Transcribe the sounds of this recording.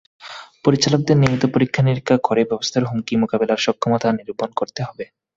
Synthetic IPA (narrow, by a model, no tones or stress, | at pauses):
poɾit͡ɕalok̚d̪eɾnimit̪opoɾikʰːaniɾkʰːakʰoɾebɛbost̪ʰaɾɦumkimokabelaɾʃɔkʰːomot̪ʰaniɾubonkoɾt̪eɦɔbe